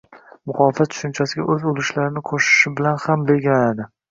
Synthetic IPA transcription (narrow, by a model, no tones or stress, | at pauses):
mʊχɒlfat̪̚t͡ʃ̪ʰʊ̥ʃʊnt͡ʃʰasɪɡʲa̰ʔɵzolˠɪʃlaɾɪnɪqʰoʃɪ̥ʃɪbɪlanhambeɡʲɪnanad̪ɪ